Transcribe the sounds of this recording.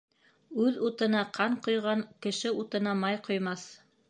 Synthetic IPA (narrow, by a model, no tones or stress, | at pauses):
ʉðut̪ɤ̆nɑqʰɑɴqŏjʁɑŋkɘ̆ʃɘut̪ɤ̆nɑmɑjqŏjmɑθ